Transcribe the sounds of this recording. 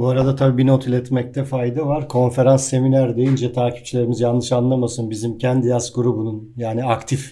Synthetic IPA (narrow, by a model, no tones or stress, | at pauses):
buaɾad̪at̪ʰabiːbinot̪ʰilʲɛt̪mɛc̚t̪ʰɛfajd̪avaɾkʰo̞nfe̞ɾansːe̞minæɾd̪e̞jynd͡ʒɛt̪ʰaːcʰi̥p̚t͡ʃʰilʲe̞ɾimizjanˠːɯʃanlˠamasɯnbizimcʰænd̪ijasɡuɾubununjaːniakt̪ʰif